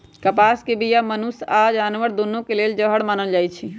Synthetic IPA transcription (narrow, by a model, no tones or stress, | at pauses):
kəpaskebʱijamənusad͡ʒanʋəɾd̪onːõkeleld͡ʒəɦəɽmaːnəld͡ʒajt͡ʃʰi